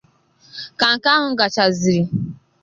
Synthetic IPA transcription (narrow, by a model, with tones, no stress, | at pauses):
ka˨ŋ̩˨ka˦ɦʊ˦ŋ̩˦ɡa˨t͡ʃa˨zi˨ɾi˨